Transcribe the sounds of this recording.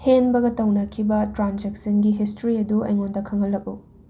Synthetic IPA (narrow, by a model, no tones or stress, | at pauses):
henbɐɡɐtɐwnɐkʰibɐtɾand͡ʒek̚sɐnɡiɦis̬tɾiɐduɐ̰jŋondɐkʰɐŋhɐlːɐk̚u